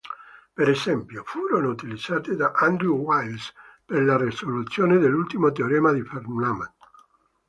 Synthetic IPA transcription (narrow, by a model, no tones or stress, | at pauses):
peɾesɛmpjofuːɾonout̪ilid̪zːaːt̪ed̪aʔand̪ɾuwajlsperlaresolut̪sːjoːned̪elːult̪imot̪eoɾɛːmad̪ifermnama̰n